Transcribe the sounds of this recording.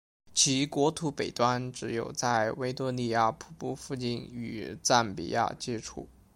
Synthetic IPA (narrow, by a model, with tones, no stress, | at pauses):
t͡ɕʰi˧˥kwɔ˧˥t̪ʰu˧˥pe˨˩ɪt̪wa˥nʈ͡ʂɻ̩˧˥jo˨˩ʊt͡sa˥˩ɪwe˥ɪt̪ɔ˥ni˥˧ja˥˩pʰu˧˥pu˥˧fu˥˧t͡ɕi˥˩ny˨˩t͡sa˥˩npḭ˨˩ja̰˥˩t͡ɕjɛ˥ʈ͡ʂʰṵ˥˩